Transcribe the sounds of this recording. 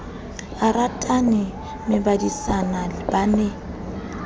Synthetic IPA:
aratʼanɪ | mɪbadisanabanɛ

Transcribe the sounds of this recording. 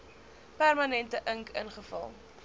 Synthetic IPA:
pærmɐnɛntəʔəŋkə̰nχəfɐ̰lˠ

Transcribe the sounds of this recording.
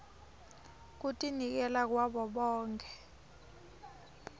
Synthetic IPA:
k̬utʼinik̬ɛlak̬waɓɔɓɔːŋkʰɛ

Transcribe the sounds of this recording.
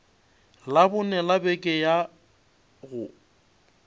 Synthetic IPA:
labʊnɛlabɛkʼɛja | ɣʊ

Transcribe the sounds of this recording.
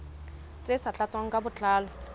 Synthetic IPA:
t͡sʼesat͡ɬʼat͡sʼwaŋ̩kʼabʊt͡ɬʼaːlɔ

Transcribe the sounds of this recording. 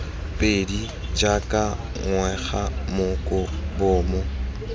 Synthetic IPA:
pʼedi | d͡ʒakʼa | ŋwɛχamʊkʼʊbʊːmʊ

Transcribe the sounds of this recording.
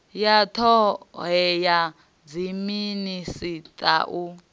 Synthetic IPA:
jatʰɔɦɛja | d͡ziminisit̪ʼa̰ʔu

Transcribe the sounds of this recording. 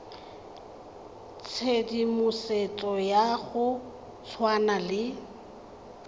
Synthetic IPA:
t͡sʰedimʊset͡sʼɔjaɣʊ | t͡sʰwanalɪ

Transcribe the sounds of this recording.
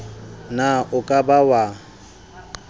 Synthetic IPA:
naʊkʼabawa

